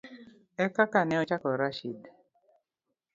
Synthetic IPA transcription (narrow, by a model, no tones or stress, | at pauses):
ɛkakanɛɔt͡ʃakɔɾaʃid